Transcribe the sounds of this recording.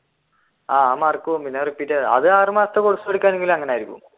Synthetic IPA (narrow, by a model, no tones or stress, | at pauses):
aːamːarkːuʋompinːaːripːiɾɐɐ̰ðɨaːrɨmaːst̪ːɐkoɽusupɐɽikʲːaːneŋɡilmɐŋːɐneaːjɾikːṵṵm